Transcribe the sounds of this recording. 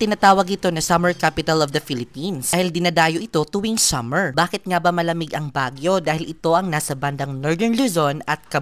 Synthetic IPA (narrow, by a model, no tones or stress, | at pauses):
t̪ɪnat̪aːwɐɡʔɪt̪o̞nɐsɐmɛɹkapɪt̪ɐlɔvd̪ɐfilɪpinsahɪld̪ɪnɐd̪aːjoʔɪt̪o̞t̪ʊwiŋsɐmɛɹbaːkɪt̪̚ŋabɐmɐlɐmɪɡʔɐŋbaːɡjo̞d̪aːhɪlʔɪt̪o̞ʔɐŋnaːsɐband̪ɐŋnoɹd̪ɛɹnluzonɐt̪̚kɐ